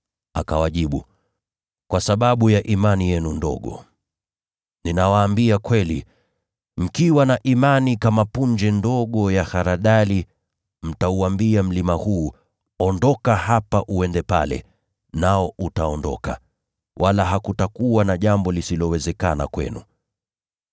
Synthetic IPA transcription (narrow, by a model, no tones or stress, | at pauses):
akawaʄiɓu | kwasaɓaɓujaʔimanijɛnundɔ̰ɠɔ̰ | ninawaːmbiakwɛli | m̩kiwanaʔimanikamapuɲd͡ʒɛndɔɠɔjaxaɾaɗali | m̩tauambiam̩limahuː | ɔndɔkahapaʔuɛndɛpa̰lɛ̰ | naɔʔutaɔndɔ̰ka̰ | walaɦakutakuwanaʄambɔlisilɔwɛzɛkana̰kwɛ̰nṵ